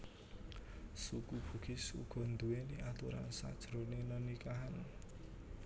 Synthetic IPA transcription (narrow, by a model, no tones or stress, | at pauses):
sukub̥ṳɡ̥i̤sṵɡ̥ɔ̤nd̪uweniʔat̪uɾa̰nsa̰d̥ʒ̥ɾonɪŋnənikaɦan